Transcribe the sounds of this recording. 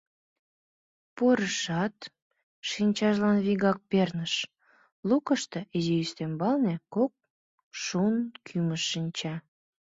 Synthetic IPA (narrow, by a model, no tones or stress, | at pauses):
poɾəʃɑt̪ | ʃinʲt͡ɕɑʒlɑnβiɣɑk̚pernəʃ | lukəʃt̪eʔizijyst̪embɑlnekok̚ | ʃunkʰyməʃːinʲt͡ɕɑ